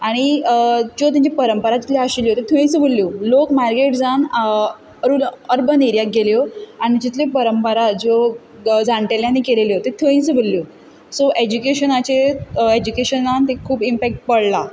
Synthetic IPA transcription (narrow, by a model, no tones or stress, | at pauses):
aɽ̃id͡ʑot̪jãɲt͡ɕapəɾəmpəɾat͡ɕ̪i̥t̪leaɕiljɦot̪et̪ʰõĩt͡sbʱəlːjolokmaɾkeʈd͡zan | əɾuːnəɾbəneɾjak̚ɡʱeljoaɽ̃id͡ʑit̪lepəɾəmpəɾad͡zo | d͡zãɳʈeljãnːikeleleɦot̪et̪ʰoĩnt͡sbʱəlːjo | soʔed͡ʑukeɕənat͡ɕeed͡ʑukeɕənant̪ẽkʰuːbimpæk̚ʈ̚pəɽla